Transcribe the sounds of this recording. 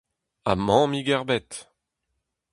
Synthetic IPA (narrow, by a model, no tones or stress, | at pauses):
a̰mɑ̃miɡɛʁbɛt̪